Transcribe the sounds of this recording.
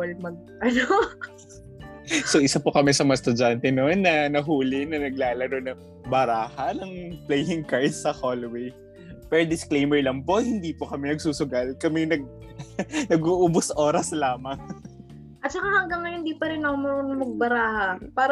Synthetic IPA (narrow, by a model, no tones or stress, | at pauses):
lmɐɡ̚ | ɐno | soʔɪsapokɐmɛsɐmɐast̪ʊd͡ʒant̪ɛnonːɐnɐɦuːlɪnɐnɐɡ̚laːlɐɾonɐ | bɐɾaːhɐnɐŋplɛjɪŋkaɹd̪̚sɐholowej | pɛɾd̪ɪsklejmɛɹlɐŋpo̞hɪnd̪iːpokɐmɛnɐɡsuːsʊɡalkɐmɛnɐɡ̚ | nɐɡuʔʊbʊsʔo̞ːɾɐslaːmɐŋ | ʔɐt̪̚t͡ʃɐkahɐŋɡɐŋːɐhɪnd̪iːpɐɾɪnːɐmoɾonmɐɡ̚bɐɾaːhɐpaːɾ